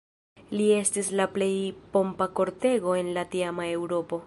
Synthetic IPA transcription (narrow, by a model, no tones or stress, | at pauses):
lie̞stislaple̞jpo̞mpako̞ɾte̞ɡo̞e̞nlatiamae̞wɾo̞po̞